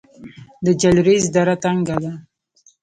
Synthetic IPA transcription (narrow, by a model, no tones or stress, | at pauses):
d̪əd͡ʒalɾezd̪aɾat̪aŋɡad̪a